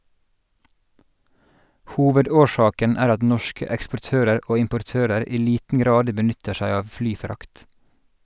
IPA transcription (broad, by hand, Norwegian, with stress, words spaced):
ˈhuːʋəˌdoːˌʃɑːkən ˈæːɾ ˈɑt ˈnɔʃkə ɛkspɔˈʈøːɾəɾ ˈʔoː ɪmpɔɾˈtøːɾəɾ ˈiː ˈliːtn̩ ˈɡɾɑːd bəˈnʏtə ˈʃæɪ ˈɑːʋ ˈflyːˌfɾɑkt